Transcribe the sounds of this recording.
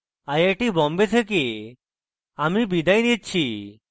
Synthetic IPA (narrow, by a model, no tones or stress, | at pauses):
ajeʈibɔmbet̪ʰek̬i | amibid̪ʱajnit̪̚t͡ɕʰi